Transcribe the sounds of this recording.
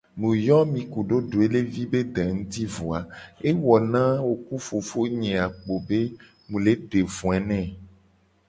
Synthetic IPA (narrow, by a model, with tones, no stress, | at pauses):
mũ˨jɔ˦mĩ˨ku˨ɖo˦ɖo˨e˦le˦vi˦be˦d̪ɛ˨ŋũ˦t̪i˦vo˨a˨e˦wɔ˨nã˦wo˨ku˦fo˨fo˦ɲɛ̃˨a˨k͡po˨be˦ | mũ˨le˦ɖe˨vũ˨ɛ˨nɛ̃˦˨